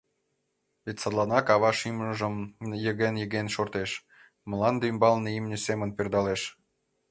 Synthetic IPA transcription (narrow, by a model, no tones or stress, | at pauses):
βet̪ʲsɑd̪lˠɑnɑkɑβɑʃiməʒəmjəɣenjə̆ɣenʃort̪eʃ | məlɑnd̪eymbɑlneimnʲesemənperd̪ɑleʃ